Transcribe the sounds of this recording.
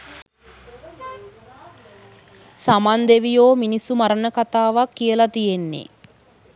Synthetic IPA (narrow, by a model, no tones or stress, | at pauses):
samand̪eʋijoːminisumaɾənəkat̪aːʋakːijəlat̪ijenːḛ